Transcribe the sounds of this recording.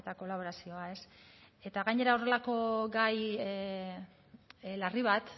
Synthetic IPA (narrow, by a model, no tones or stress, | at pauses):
et̪ako̞laβ̞o̞ɾasio̞ae̞se̞t̪aɣajɲe̞ɾao̞re̞lako̞ɡaj | lariβ̞at̪